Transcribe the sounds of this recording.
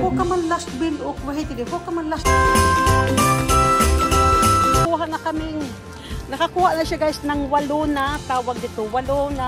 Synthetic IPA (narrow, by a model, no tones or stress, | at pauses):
kokamanlast̪̚bɪlokwaɦit̪ɪd̪ɪkokamanlast̪̚bɪa | nakuːɦaʔnakamɪŋ | nɐkakuːhaʔnaʃaɡaːɪsnaŋwalonat̪aːwaɡ̚d̪ɪt̪owalona